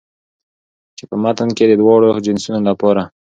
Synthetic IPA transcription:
t͡ʃepəmat̪ənked̪əd̪wɑɽod͡ʒɪnsunolapɑɾa

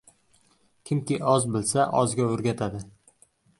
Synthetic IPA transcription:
kʲʰɪmkʲɪʔɒzbɪlsaʔɒzɡʲaɵɾɡʲat̪ʰad̪ɪ

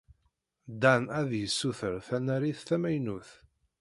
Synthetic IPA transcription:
d̪ænæðjəsːuθəɾθænæɾiθθæmæjnuθ

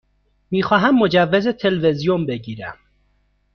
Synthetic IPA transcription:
miːxɒːɦæmːod͡ʒævːezet̪ʰelvezijombeɟiːɾæ̰m

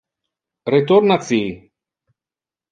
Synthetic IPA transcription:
ɾet̪oɾnasi

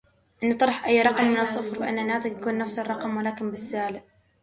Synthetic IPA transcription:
ʔɪnːt̪ˤɑɾˤɑħʔajːɾˤɑqmːɪnɑsˤːʊfɾfɪʔa̰nːanːaːt̪ɪkjakuːnːafsɑrˤɑqmwalaːkɪmbɪsːaːlɪʔ

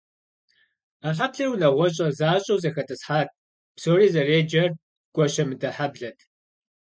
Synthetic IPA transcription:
aɬapɬɐrwunɐʁʷɔɕ̬ʼɐzaːɕʼɐwzɐxɐtʼɨsħaːt̚ʰ | psoːriːzɐreːd͡ʒɐr | ɡʷʼɔɕɐmɨdɐħabɮɐtʰ

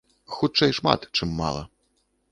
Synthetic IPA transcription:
xut͡ʂɛjʂma̰t̪t͡ʂɨmːa̰lˠɐ̰

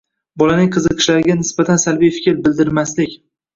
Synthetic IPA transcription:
bɒlanɪŋqʰɨzɨqʰɨ̥ʃlaɾɪɡʲanɪsb̥at̪ʰansalbijfɪ̥kʲɾbɪld̪ɪɾmaslɪkʲ

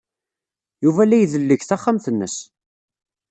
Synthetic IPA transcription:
juvælæjðəlːəçθaχːamθənːəs

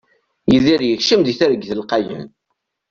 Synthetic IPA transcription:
jiðiɾjəçʃəmd̪iθæɾəɡθəlqɑjə̰n

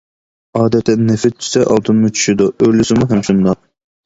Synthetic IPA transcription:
ɑːd̪ɛt̪ʰːɛnnefɪt̪̚t͡ʃʰy̥sɛʔɑlˠt̪ʰɨnmut͡ʃʰy̥ʃid̪uølysɪmuɦɛmʃund̪ɑ

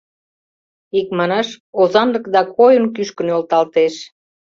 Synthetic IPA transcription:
ikmɑnɑʃozɑnləkd̪ɑkojənkyʃkənolt̪ɑlt̪eʃ

